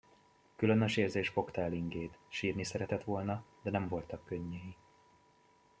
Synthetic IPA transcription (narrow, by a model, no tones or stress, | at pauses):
kylønøʃeːrzeːʃfo̞kt̪ɒɛliŋɡeːt̪ʃiːrnisɛɾɛt̪ɛt̪ʋo̞lnɒd̪ɛnɛɱvo̞lt̪ɒkːøɲːɛji